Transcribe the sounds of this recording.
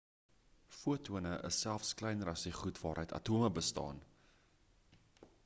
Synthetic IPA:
fuətuənəʔə̰sælˠfsklɛjnɾɐsdiχutvɑːɾəjtɐ̰tuməbəstɑ̰ːn

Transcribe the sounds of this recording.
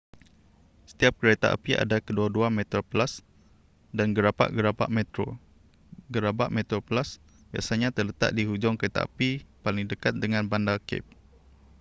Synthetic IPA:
sə̥t̪iap̚kəɾet̪a̰ʔa̰pia̰dakəduaduamɛt̪ɾoplas | danɡəɾapa̰ʔɡəɾapa̰ʔmɛt̪ɾo̰ | ɡəɾaba̰ʔmɛ̃t̪ɾoplas | bja̰ʔsaɲãt̪ərlət̪a̰ʔ̚diɦud͡ʒɔŋkəɾet̪a̰a̰pipaliŋdəkat̪̚dəŋãnbandakɪ̰p̚

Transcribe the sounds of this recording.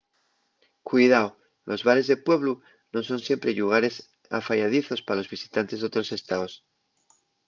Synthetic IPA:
kwiðao | lʔo̞zβaɾe̞zðe̞pwe̞βlu | no̞sõ̞nsje̞mpɾe̞ʎuɣ̞aɾe̞s | a̰faʝað̞iθo̞spalo̞zβisi̥t̪ant̪e̞zðot̪ɾo̞se̞st̪aos

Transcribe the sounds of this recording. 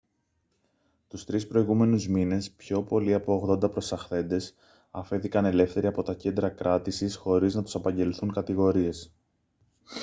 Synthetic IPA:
t̪ust̪ɾispɾo̞iɣume̞nuzmine̞spço̞po̞liɐpo̞oɣðo̞nd̪ɐpɾo̞sɐxθe̞nd̪e̞s | ɐfeθikɐne̞le̞fθe̞ɾiɐpo̞t̪ɐce̞nd̪ɾɐkɾɐt̪isisxo̞ɾiznɐt̪u̥sɐpɐɲɟe̞liθuŋkɐt̪iɣo̞ɾie̞s

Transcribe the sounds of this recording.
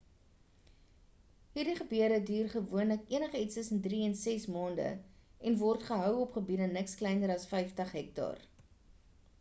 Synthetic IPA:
ɦiːrdiχəbyəɾədyːrχəvuənləkiənəχəitstəsəndriɛnsɛsmɑːndə̰ɛnvɔrtχəɦœwɔpχəbidənəksklɛjnəɾɐsfɛjftəχɦɛk̚tɑ̰ːr

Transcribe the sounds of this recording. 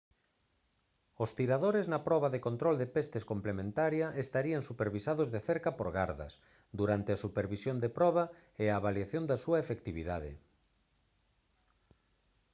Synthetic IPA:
ost̪iɾaðoɾɪznɐpɾɔβɐðekont̪ɾɔld̪epest̪eskomplemẽnt̪aɾjɐʔest̪aɾiɐŋsupeɾβisaðʊzðeθeɾkɐpoɾɣaɾðɐ̰s | d̪uɾant̪easupeɾβisjond̪epɾɔβɐeaβaljaθjond̪ɐsuɐefekt̪iβiðaðɪ̰

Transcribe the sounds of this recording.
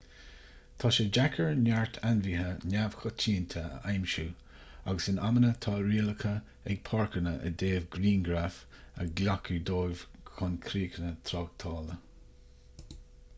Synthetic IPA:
t̪ʰɑːʃəd͡ʒakʰəɹnaɹt̪ʰanviːɦənʲav̥xɔtʰiːnt̪ʰəə̰ʔajmʃuː | aɡəsɪnamənət̪ʰɑːɾiːləkʰə | ɛɡ̚pʰɔɹkənəʔə̰d̪eːvɡɾiːnɡɾaf | ə̰ɡlakʰud̪oːjvkʰʊnkʰɾiːkʰənət̪ʰɾɑːɡ̚t̪ʰɑːlə

